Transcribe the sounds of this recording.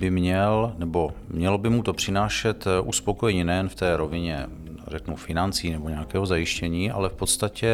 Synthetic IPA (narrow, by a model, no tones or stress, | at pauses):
bɪmɲɛlnɛbo̞mɲɛlobɪmut̪o̞pr̝̥ɪnaːʃɛt̪ʔuspo̞kojɛɲɛnɛjɛnft̪ɛːɾo̞vɪɲɛ | rɛknufɪnant͡siːnɛbo̞ɲɛakɛːɦo̞zajɪʃcɛɲiːʔa̰lɛfpo̞t̪st̪acɛ